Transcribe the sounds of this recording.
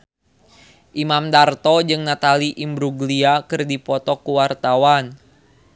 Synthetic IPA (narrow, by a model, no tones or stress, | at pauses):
ʔimamdart̪ɔd͡ʒɨŋnat̪aliʔimbɾuɡliakɨrdipɔt̪ɔkuwart̪awan